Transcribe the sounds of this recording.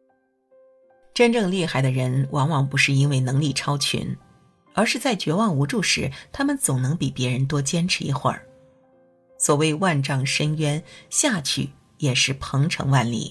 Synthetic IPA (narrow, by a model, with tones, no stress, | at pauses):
ʈ͡ʂə˥nʈ͡ʂɤ˥˧ŋli˥˩xa˨˩ɪd̪ə˧ɻə˧˥nwʔɑ˧˥ŋwɑ˨˩ŋpu˧˥ʂɻ̩˥˧i˥nwe˥˩ɪnɤ˧˥ŋli˥˩ʈ͡ʂʰɑ˥ʊt͡ɕʰy̰˧˥n | ə˞˧˥ʂɻ̩˥˧t͡sa˥˩ɪt͡ɕɥɛ˧˥wɑ˥˩ŋu˧˥ʈ͡ʂu˥˩ʂɻ̩˧˥t̪ʰa˥mə˨nt͡sʊ˨˩ŋnɤ˧˥ŋpi˨˩pjɛ˧˥ɻə˧˥nt̪̬wɔ˥t͡ɕjɛ˥nʈ͡ʂʰɻ̩˧˥ḭ˧˥xwə̰˞˥˩˦ | swɔ˨˩we˥˧ɪwa˥˧nʈ͡ʂɑ˥˩ŋʂə˥nɥɛ˥nɕja˥˧˩t͡ɕʰy˥˩ | jɛ˨˩ʂɻ̩˥˩pʰɤ˧˥ŋʈ͡ʂʰɤ̰˧˥ŋwa˥˩nlḭ˥˩